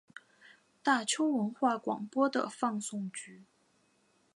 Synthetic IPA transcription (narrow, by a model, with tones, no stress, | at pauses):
t̪a˥˩t͡ɕʰjo˥ʊwə˧˥nxwa˥˩kwɑ̰˨˩ŋpwɔ˥d̪ə̰˨fɑ˥˧ŋsʊ˥˩ŋt͡ɕy˧˥